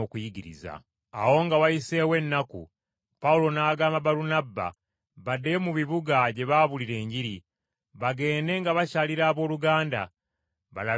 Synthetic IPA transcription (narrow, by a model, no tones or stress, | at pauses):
okujiɡiɾḭza̰ | awo̞ŋɡawajise̞ːwe̞nːakṵ | paulo̞naːɡaːmabaɾunabːa̰ | βadːe̞muβiβuɡaɟe̞βaβuliɾe̞ːɲɟiɾi | βaɡe̞ːnde̞ŋɡaβacaliɾaːβo̞ːluɡaːnda̰ | βala